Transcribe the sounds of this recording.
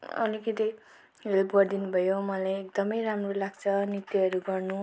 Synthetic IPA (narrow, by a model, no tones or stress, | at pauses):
ʌ̰likʌt̪i | welpɡʌrd̪inubʱʌjomʌlajekd̪ʌmʌjɾamrolaɡt͡sʰʌnit̪iʌɾuɡʌrnu